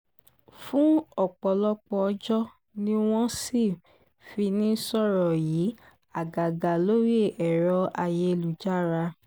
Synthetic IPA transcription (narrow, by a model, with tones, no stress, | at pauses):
fũ˦ɔ˦˨k͡pɔ˨lɔ˦k͡pɔ˧d͡ʒɔ˦ | nĩ˦w̃ɔ̃˦si˦˨ | fi˧nĩ˦sɔ˦˨ɾɔ˨jiː˨˦ | a˨ɡa˨ɡa˨lo˦ɾi˦e˦˨ʔɛ˨ɾɔ˧a˧je˧lu˨d͡ʒa˦˨ɾa˧